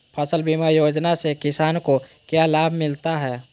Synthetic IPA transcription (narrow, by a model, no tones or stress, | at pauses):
pʰəsəlbimajoːd͡ʒnasekɪsaːnko | kjaːlaːbʱmɪlt̪aɦɛː